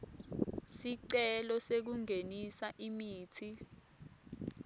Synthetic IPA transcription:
siǀɛlɔsek̬uŋʱenisaʔimiːtʰi

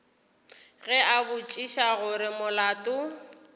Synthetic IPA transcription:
ɣɛabʊt͡ʃʼiʃaɣʊɾɪmʊlaːtʼʊ

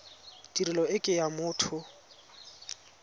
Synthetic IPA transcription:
dirilɔɪkʼɪjamʊːtʰʊ

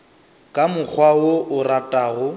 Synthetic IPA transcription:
kʼamʊk͡xʰwawoʊratʼaːɣʊ

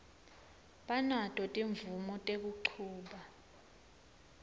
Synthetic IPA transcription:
ɓanatʼɔtʼiɱvumɔtʼek̬uǃʰuːɓa

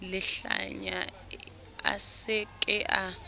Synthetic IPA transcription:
lɛɬa̰ɲa | a̰sɛkʼɛʔa

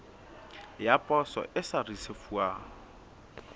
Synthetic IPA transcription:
japʼɔsɔ̰ʔɪsarisefuaː

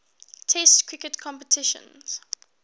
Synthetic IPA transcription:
tʰɛstkʰɹ̥ɪkətkʰɔ̃mpətʰɪʃə̰̃nz̥

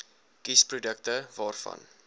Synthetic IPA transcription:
kisprudək̚təvɑːrfɐ̰n

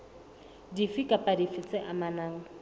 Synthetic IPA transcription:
difikʼapʼadifɪt͡sʼɪʔamanaːŋ̩

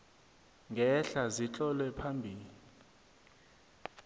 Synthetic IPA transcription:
ŋʱɛɬazit͡ɬʼɔlwɛpʰambʱiːli

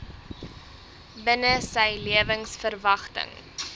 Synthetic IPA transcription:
bənəsəjliəvəŋsfərvɐχtə̰ŋ

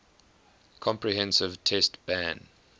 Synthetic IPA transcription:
kʰɔ̃mpɹiɦɛ̃nsɪv̥tʰɛstb̥æ̃n

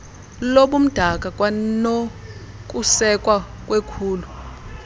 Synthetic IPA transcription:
loɓum̩d̥ʱakʼakʼwano | k̬ʼusɛkʼwa | kʼwekʰuːlu

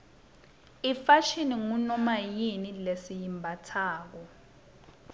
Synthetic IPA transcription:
ifaʃiniŋunɔmajinilesijimbʱatʰaːk̬ɔ

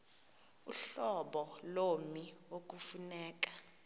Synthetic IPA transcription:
uɬɔɓɔlomiok̬ufunɛːk̬ḁ

